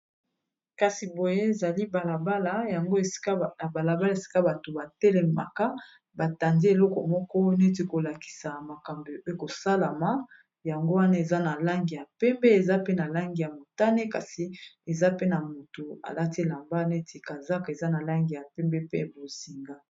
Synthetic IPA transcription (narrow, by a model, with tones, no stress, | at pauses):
ka˨si˨bo˨je˦e˨za˨li˦ba˨la˨ba˦la˨ja˨ŋɡo˦e̥˨˦˨ba˨la˨ba˦la˦e˨si̥˦ka˦ba˨to˨ba˨tɛ˦lɛ˨ma̰˨ka˦ | ba˨ta˨ndi˦e˨lɔ˦kɔ˨mɔ˦kɔ˦ne˦ti˨˦ko˨la˨ki̥˨sa˨ma˨ka˨mbi˨o˦jo˦ko˨sa˦la˨ma˨˦ | ja˨ŋɡo˦wa˦na˦e˨za˦na˨la˦ŋɡi˨ja˨pɛ˦mbɛ˦e˨za˦pe˦na˨la˦ŋɡi˨ja˨mo˨ta˦ne˦ka˨si˨e˨za˦pe˦na˨mo˨to˨a̰˨la˦ti˦e˨la˨mba˦ne˦tʰi˨ka˨za˦ka˨e˨za˦na˨la˦ŋɡi˨ja˨pɛ˦mbɛ˦pḛ˦bo˨zi˨ŋɡa˦